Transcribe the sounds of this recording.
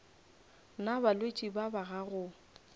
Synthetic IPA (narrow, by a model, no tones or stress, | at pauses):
nabalwet͡ʃʼibabaɣaɣʊ